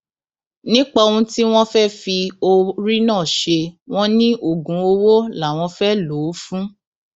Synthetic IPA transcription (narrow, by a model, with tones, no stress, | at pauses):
nĩ˦k͡pa˧o˧ũ˧ti˦w̃ɔ̃˦fɛ˦fi˧o˧ɾi˦nãː˦˨ʃe˧w̃ɔ̃˦nĩ˦ʔo˨ɡũ˨˦o˧wo˦la˨˦˨w̃ɔ̃˧fɛ˦lo˨˦fũ˦